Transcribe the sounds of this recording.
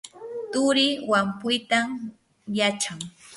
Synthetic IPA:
t̪ʊɾɪwampʊjt̪am | jat͡ʃaŋ

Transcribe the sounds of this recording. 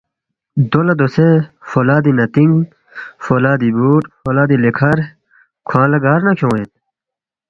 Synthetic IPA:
d̪olɐd̪osefolaːd̪inɐt̪iŋɡ | folaːd̪ibuːʈfolaːd̪ilekʰɐɾ | kʰwãːlɐɡaːɾnɐkʰõwet̪

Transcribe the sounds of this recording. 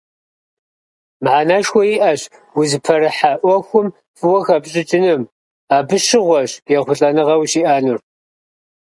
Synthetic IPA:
mʕaːnaːʃxʷɔjiʔɐɕ | wʊzɨpʰɐɾɨħaːʔʷɔxʷʊm | fɨwɔxɐpɕʼɪt͡ʃʼɪnɨm | aːbɨʃɪʁʷɔɕjɛχʷʊɬʼɐnɨʁɐwʃiːʔaːnur

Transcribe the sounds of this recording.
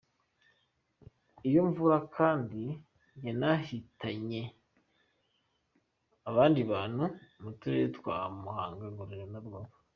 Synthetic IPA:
ijoɱvuɾakʰaːndi | jenahitaɲe | aβaːndiβaːn̥humutuɾetkwamuhaːŋɡaɡuɾiɾonaɾɡaːβḁ

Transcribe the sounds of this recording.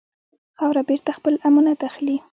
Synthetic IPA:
xɑwɾabeɾt̪axpəlamunat̪axli

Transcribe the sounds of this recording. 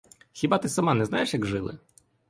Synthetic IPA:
xʲibɑt̪ɪsɐmɑnɛznajeʂjɐɡʐɪlˠɪ̰

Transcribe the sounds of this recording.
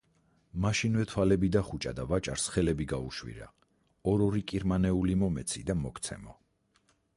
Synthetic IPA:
maʃinvɛt̪ʰwalɛbid̪aχut͡ʃʼa̰d̪avat͡ʃʼaɾsχɛlɛbiɡauʃwḭɾa̰ | ɔɾɔɾikʼiɾmanɛulimɔmɛt̪sʰid̪amɔkʰt̪sʰɛ̰mɔ

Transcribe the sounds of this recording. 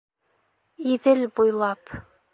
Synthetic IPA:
iðɘlbujlˠɑp

